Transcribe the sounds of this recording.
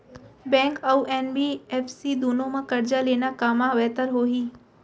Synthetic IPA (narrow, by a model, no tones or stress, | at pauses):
bɛ̃ːŋkəuʔɛːnbiːɛːfsid̪oːnõmãkɐɾd͡ʒaleːnakaːmãʋɛːt̪əɾɦoːɦiː